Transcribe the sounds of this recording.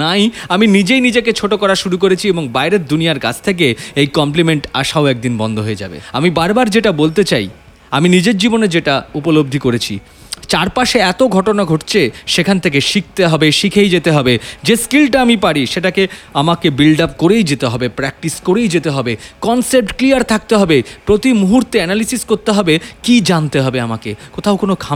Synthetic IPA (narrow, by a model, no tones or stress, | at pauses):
najaminid͡ʑejnid͡ʑeket͡ɕʰoʈokɔɾaʃuɾuk̬oɾet͡ɕʰieboŋbaeɾet̪̚d̪unijaɾka̰d͡ʑʰt̪ʰek̬eejkɔmplimeɳʈa̰ʃaoɛk̚d̪inbɔnd̪ʱoɦoed͡ʑa̰bḛamibaɾbaɾd͡ʑeʈabolt̪et͡ɕaj | aminid͡ʑeɾd͡ʑiboned͡ʑeʈaupolob̚d̪ʱikoɾet͡ɕʰḭ | t͡ɕaɾpaʃeɛt̪oɡʱɔʈonaɡʱoʈt͡ɕʰeʃekʰant̪ʰek̬eʃik̚t̪eɦɔbeʃikʰejd͡ʑet̪eɦɔbed͡ʑeskilʈaamipaɽiʃeʈakeamakebilɖapkoɾejd͡ʑet̪eɦɔbepɾɛk̚ʈiskoɾejd͡ʑet̪eɦɔbekɔnsep̚ʈklijaɾt̪ʰak̚t̪eɦɔbepɾot̪imuɦuɾt̪eɛnalisiskoɾt̪eɦɔbekid͡ʑant̪eɦɔbeamakekot̪ʰaʊkonokʰa